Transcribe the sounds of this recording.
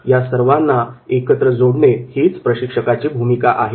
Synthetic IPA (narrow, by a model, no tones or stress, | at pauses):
jasəɾʋanːaekət̪ɾəd͡zoɽɳehit͡spɾəɕikʂəkat͡ɕiːbʱumikaʔaɦe